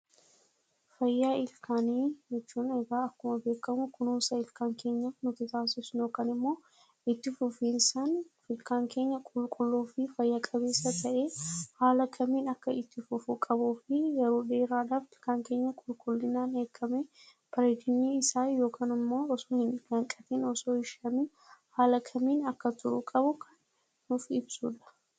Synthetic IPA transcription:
fɐjːaːɪlkʰaːniːd͡ʒɛt͡ʃːuːnɛɡaːɐkːʊmɐbe̞ːkːɐmʊkʊnuːsɐɪlkaːŋke̞ːɲːɐfnʊt̪ɪt̪aːsɪsno̞ːkaːnɪmːo̞ː | ɪt̪ːɪfʊfiːnsanfɪlkaːŋke̞ːɲːɐkʼʊlkʼʊlːuːfɪfɐjːakʼɐbe̞ːsːɐt̪ʰɐʔeːhaːlɐkʰɐmiːnɐkːɐɪt̪ːɪfʊfʊkʼɐbuːfɪjɛɾoːᶑe̞ːɾaːᶑaːft̪ɪ̥kːaːŋke̞ːɲːɐkʼʊlkʼʊlːɪnaːnheːkːɐmɛ | pɐɾɛɡɪɲːiːɪsaːjo̞ːkaːnɪmːo̞ːɔsoːhɪnɡɐŋkʼɐt̪iːnɔsoːɪʃɐmi | haːlɐkʰɐmiːnɐkːɐt̪ʊɾʊkʼɐbʊkʰɐnː | ʊfɪbsuːᶑɐ̥

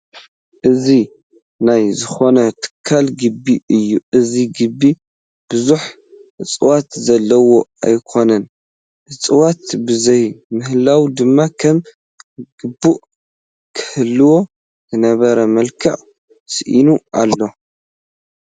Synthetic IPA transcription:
ʔɨzi | najzɨxo̞nɐt̪ʰɨ̥kʰːalɡɨbːiʔɨjːuʔɨziɡɨbːi | b̥ɨzuħ | ɨt͡sʼɨwat̪zɐlːɐwo̞a̰jkʰo̞nɐn | ʔɨt͡sʼɨwat̪bɨzɐjmɨhlawd̪ɨmːakʰɐm | ɡ̥ɨbːuʔ | kʰɨ̥hɨlːɨwo̞ | zɨnɐβɐɾɐmɐlkʰɐʔ | sɨʔinualːo̞

